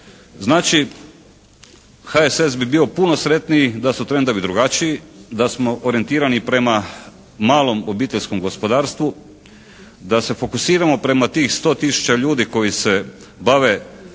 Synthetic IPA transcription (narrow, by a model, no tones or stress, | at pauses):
znaːt͡ʃi | xaesesbibio̞puno̞sɾe̞t̪niid̪asut̪ɾe̞nd̪o̞ʋid̪ɾuɡat͡ʃiid̪asmo̞ʔoɾie̞nt̪iːɾanipɾe̞ma | maːlˠo̞mobiːt̪eʎʲsko̞mɡo̞spod̪aːɾst̪ʋu | d̪ase̞fo̞kusiːɾamo̞pɾe̞mat̪iːxst̪o̞ːt̪isu̥t͡ʃaʎuːd̪iko̞jise̞ | baʋe̞